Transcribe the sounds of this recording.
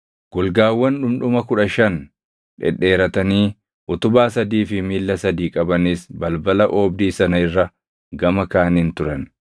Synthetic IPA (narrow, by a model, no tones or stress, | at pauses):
ɡ̥ʊlɡaːwːɐnᶑʊmᶑʊmɐkʊᶑɐʃɐn | ᶑɛ̰ᶑe̞ːɾɐt̪ɐniː | ʔʊt̪ʊbaːsɐd̪iːfɪmiːlːɐsɐd̪iːkʼɐbɐnisbɐlbɐlɐʔoːbd̪iːsɐnɐɪrːɐ | ɡɐmɐkaːniːnt̪ʊɾɐn